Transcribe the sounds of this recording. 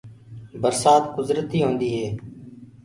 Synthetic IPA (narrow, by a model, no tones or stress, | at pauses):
bəɾsaːt̪kʊzɾət̪iːɦõːnd̪iːɦeː